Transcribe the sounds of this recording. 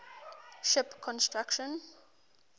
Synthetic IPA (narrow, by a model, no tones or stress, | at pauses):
ʃɪpkʰɔ̃nstɹakʃə̃n